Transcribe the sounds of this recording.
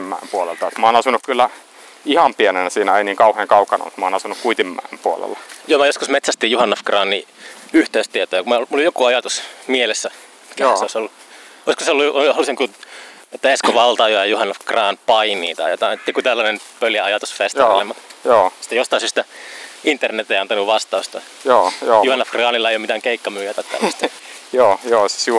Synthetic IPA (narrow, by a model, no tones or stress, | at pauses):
imːæ̰empuolḛlt̪ɑjot̪mɑːnɑsunːukkylːæ | ihɑmpienenæsiːnæeiniːŋkɑuheːŋkɑukɑnɑ̰mut̪mɑːnɑsunukkuit̪imːæ̰ˑempuol̰lːɑjoːmæjoskusmet̪sæst̪iːjjuhɑnːofkrɑːnːiyht̪eyst̪iet̪oːjɑkummulːojjokuɑjɑt̪usmielesːæ | mikæseoisolːuoiskoseolːuoolːˑisiŋkuet̪ːæeskoʋɑlt̪ɑjoɑjɑjuhɑnːofkrɑːnpɑinḭːt̪ɑ̰jo̰t̪ɑet̪ːeikut̪ælːænenpøljæɑjɑt̪usfest̪ilemːɑt̪joːsi̥t̪ːæjost̪ɑisist̪æint̪ːernet̪ːeiɑnt̪ɑnuʋʋɑst̪ɑust̪ɑ | joːjoːjuhɑnːɑfkrɑːnilːɑeijomit̪æːŋkeikːɑmyːjæt̪æt̪ːæ̰ːst̪joːjoːsi̥su